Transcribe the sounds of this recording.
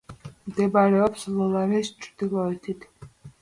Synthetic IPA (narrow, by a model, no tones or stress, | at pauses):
md̪ɛbaɾɛɔpslɔlaɾɛst͡ʃʼɾd̪ilˠɔɛt̪ʰit̪ʰ